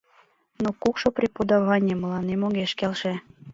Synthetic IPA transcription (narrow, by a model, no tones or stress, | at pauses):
nokukʃoprʲepod̪ɑβɑnʲeməlɑnemoɣeʃkelʃĕ